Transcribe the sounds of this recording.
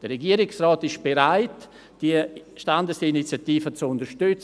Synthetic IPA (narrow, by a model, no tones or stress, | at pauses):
d̥əreɡiːəɾɪksraɔːtɪʃb̥eɾaɪt | d̥iəʃtandəsinit͡sjatiːfət͡sʊndəʃtʏt͡s